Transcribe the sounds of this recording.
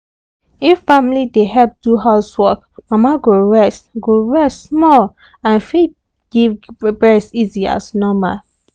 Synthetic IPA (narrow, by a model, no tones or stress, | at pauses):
ifːãmilideɦɛp̚duɦaʊswɔk | mamaɡoɹɛstɡoɹɛstsmɔl | ãnfit̚ | ɡ̥ivbɛsizia̰snɔma̰l